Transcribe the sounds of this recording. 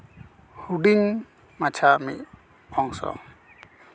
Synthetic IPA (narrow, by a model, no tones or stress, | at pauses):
huɖiŋ | mat͡ʃʰamḭt̪̚ | ɔŋsɔ̰